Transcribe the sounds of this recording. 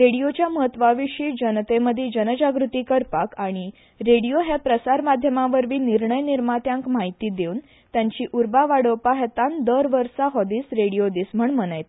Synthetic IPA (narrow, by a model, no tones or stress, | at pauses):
ɾeɽijot͡ɕjaməɦət̪ʋaʋiʂiːd͡ʑənt̪eməd̪ʱed͡ʑənəd͡ʑaɡɾut̪iːkəɾpakaɽ̃i | ɾeɽijoɦepɾəsaɾmad̪ʱjəmaʋəɾʋiːniɾɳəjniɾmat̪jãŋkmaɦit̪iːd̪euːn | t̪jaɲt͡ɕiːʔuɾbaʋaɽəwpaɦet̪and̪əɾʋəɾsaɦɔd̪iːsɾeɽijod̪iːsm̤əɳmənəjt̪